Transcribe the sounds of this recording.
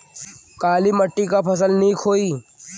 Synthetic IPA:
kaːliməʈːikapʰɐs̬əlnĩkʰoːiː

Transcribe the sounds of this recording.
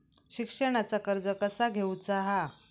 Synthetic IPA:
ɕikʂəɽ̃at͡sakəɾd͡zəkəsaɡʱeut͡saɦa

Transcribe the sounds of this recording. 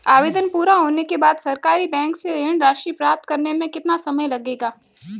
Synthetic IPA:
aːʋeːd̪ənpuːɾaɦoːnekebaːd̪sɐɾkaːɾibɛ̃ːŋkseɾeɳɾaːʃɾipɾaːp̚t̪kɐɾnemẽkɪt̪nasɐməjlɐɡeːɡaː

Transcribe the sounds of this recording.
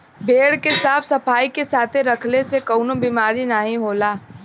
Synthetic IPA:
bʱeːɽkesaːpʰsɐpʰaːikesaːt̪ʰeɾɐkʰlesekoʊnobiːmaːɾinaɦĩɦoːlaː

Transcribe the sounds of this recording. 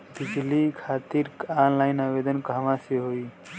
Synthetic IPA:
b̪id͡ʒʱlikʰat̪iɾanlajnabed̪ənkamãseɦoi

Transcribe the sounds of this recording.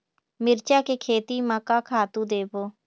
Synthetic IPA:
mɪɾt͡ʃaːkeːkʰeːt̪iːmakaːkʰaːt̪ũːd̪eːpoː

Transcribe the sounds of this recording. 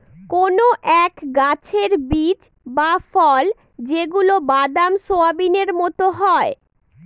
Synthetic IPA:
konoʔɛkɡat͡ɕʰeɾbit͡ɕ | bafɔl | d͡ʑeɡulobad̪amʃoabineɾmɔt̪oɦɔe

